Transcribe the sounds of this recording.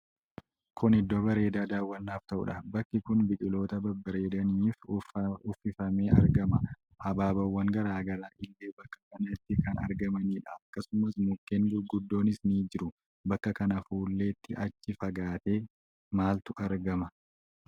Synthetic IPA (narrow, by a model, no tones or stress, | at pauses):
kʰʊnɪd̪ːo̞ːbɐɾe̞ːd̪aːd̪aːwːɐnːaːft̪ɐʔʊ̰ᶑɐbɐkːɪkʊnbɪt͡ʃʼɪlo̞ːt̪ɐbɐbɐɾe̞ːd̪ɐniːfʊfːɪfɐme̞ːɐ̰ɾɡɐmɐ | hɐbaːbɐwːɐŋɡɐɾaːɡɐlaːʔɪlːeːbɐkːɐ̥kɐnɐɪt̪ːɪkɐnɐ̰ɾɡɐmɐniːᶑɐɐkːɐsʊmɐsmʊkːeːŋɡʊɡʊd̪ːo̞ːnɪsniːd͡ʒɪɾʊ | bɐkːɐkɐnɐfuːlːe̞ːt̪ːɪʔɐt͡ʃːɪfɐɡaːt̪e̞ː | maːlt̪ʊʔɐɾɡɐmɐ